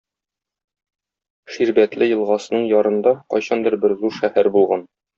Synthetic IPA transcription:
ʃiɾbæt̪lɘjɤ̆lˠʁɑsɤ̆nɤɴjɒɾɤ̆nd̪ɑqɒ̰jɕɑnd̪ɘɾbɘɾzuɾʃæhæɾbulˠʁɑn

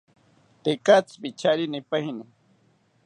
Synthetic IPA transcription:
t̪ekat͡spit͡ʃaɾinipajini

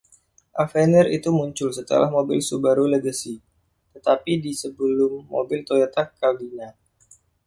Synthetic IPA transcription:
ʔafɛnərḭt̪umuɲt͡ʃʊlsət̪ə̰lahmobɪlsubaɾuləɡəsi | t̪ət̪apidisəbəlʊmːo̰bɪlt̪ojat̪akabina

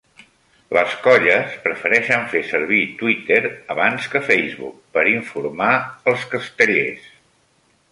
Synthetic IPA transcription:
ləskɔʎəspɾəfəɾɛʃəɱfesəɾβit̪wit̪eɾəβanskəfɛjzβṵk̚pəɾiɱfuɾmaəlˠskəst̪əʎḛs

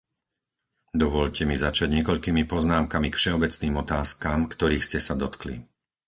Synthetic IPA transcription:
d̪ɔʋɔʎcɛmizat͡ʃaɟɲɛkɔʎkiːmipɔznaːmkamikfʃɛɔbɛt͡sniːmɔt̪aːskaːmkt̪ɔɾiːxscɛsad̪ɔt̪klḭ

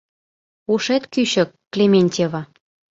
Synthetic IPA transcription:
uʃet̪kyɕə̆kːlʲemʲenʲtʲevɑ

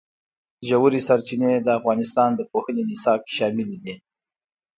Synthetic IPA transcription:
ʒawuɾisaɾt͡ʃined̪əafɣɑnɪst̪ɑnd̪əpoxənenɪsɑkʃɑmɪlid̪i

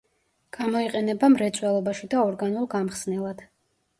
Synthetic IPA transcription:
ɡ̥amɔiqʼɛnɛbamɾɛt̪sʼwɛlˠɔbaʃid̪aɔɾɡanulˠɡamχsnɛlˠad̪̥

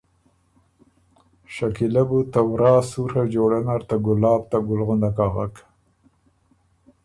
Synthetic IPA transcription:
ʃakilabut̪awɾɑːsuɾhad͡ʒoɽanaɾt̪aɡʊlɑːb̚t̪aɡʊlɣʊnd̪akɑɣak

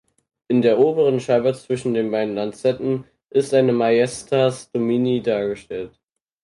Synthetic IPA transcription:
ʔɪndeːɐʔoːbəʁ̞ənʃaːbət͡sv̥ɪʃn̩deːnbaɪdn̩lant͡sɛtn̩ | ʔɪstʔaɪnəmajɛstʰasd̥ominidaːɐɡəʃtɛlt

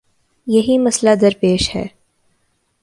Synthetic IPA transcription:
jɐɦimɐslad̪ɐɾpeːʃhɛ̰ː

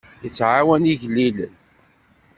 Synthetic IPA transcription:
jət͡sːʕawæniʝlːilə̰n

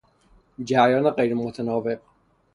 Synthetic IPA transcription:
d͡ʒæjɒːneɢejɾemot̪ʰænɒːveq

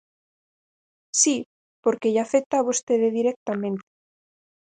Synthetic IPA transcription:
si | po̞ɾkeʝafek̚t̪aβust̪eðeðiɾek̚t̪amẽ̞nt̪e̥

